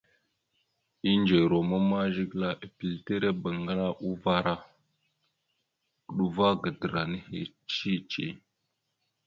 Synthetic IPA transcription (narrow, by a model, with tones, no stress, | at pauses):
i˦nd͡ʒe˨ɾo˨mə˦ma˦ʒi˦ɡla˦ʔe˨pi˨lte˦ɾe˦bə˨ŋɡa˦la˦ʔu˦va˦ɾa˦˨ | ɗu˨va˦ɡə˨də˨ɾa˨nə˦hḛ˨ | t͡ʃi˦t͡ʃḛ˨